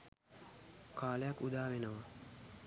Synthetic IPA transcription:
kʰaːləjakːud̪aːʋenəʋa

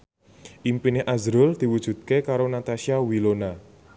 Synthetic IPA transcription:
ʔimpineʔazɾʊld̪̥i̤wud̥ʒ̥ṳt̪̚kekaɾonat̪asiawilona

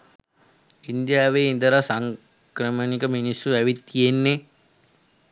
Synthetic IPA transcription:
ind̪jaːʋeːind̪əɾasaŋ | kɾəmənikəminisːuæʋit̪ːijenːe

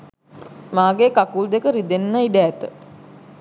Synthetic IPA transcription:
maːɡekakuld̪ekəɾid̪enːɐiɖæːt̪ə

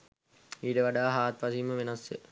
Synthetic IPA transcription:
iːʈəʋaɖaːɦaːt̪ʋɐsimːəʋenɐsjə

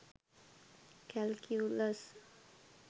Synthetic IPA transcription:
kɛlkʰjuləs

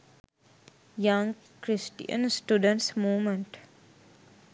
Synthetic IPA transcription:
jãŋɡ | kɾɪsʈḭə̰̃nsʈjuɖə̃ɳʈsmuːmə̃ɳʈ

